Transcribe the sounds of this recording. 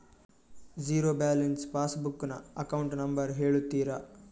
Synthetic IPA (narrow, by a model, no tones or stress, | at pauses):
d͡ʒiːɾoːbaːlenspaːsbukːnɐ̰ɐkɐwuɳʈnɐmbɐɾɦe̞ːɭut̪ːiːɾɐ